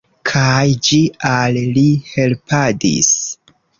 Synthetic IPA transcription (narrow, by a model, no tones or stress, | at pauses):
kʰajd͡ʒiallihe̞lpʰadḭs